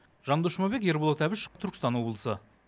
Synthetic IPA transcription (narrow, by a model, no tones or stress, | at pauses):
ʒɑɴd̪oʃəmɑbek̬je̞ɾbolˠoɑt̪ʰæbɪʃt̪ʰʏɾkʲɪst̪ɑnwo̞blˠəsə